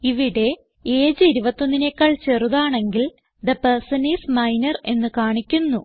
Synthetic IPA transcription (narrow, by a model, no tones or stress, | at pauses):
iʋiɽe̞ | eːd͡ʑɨiɾubɐt̪ːo̞nːinekːaːɭt͡ɕe̞ruðaːɳe̞ŋɡil | d̪ɐpɐrsɐniːsmɐjnɐre̞nːɨkaːɳikʲːunːu